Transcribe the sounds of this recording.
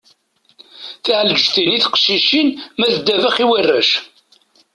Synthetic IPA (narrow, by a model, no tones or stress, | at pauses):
θiʕld͡ʒθiniθqʃiʃinmæðəd̪ːævəχiwərːæʃ